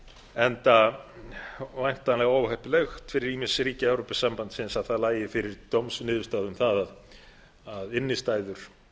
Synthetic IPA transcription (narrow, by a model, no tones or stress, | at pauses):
ɛnt̪a | vajm̥t̪anlɛɣaoːwvhahpɪlɛxt̪fɪɾɪɾiːmɪnsɪɾiːcaɛwɾopɪsːampant̪sɪnsaðθaðlaːjɪfɪɾɪɾt̪owmsnɪːðvʏst̪aːðʏmθaðað | aðɪnːɪst̪aːjðʏɾ̥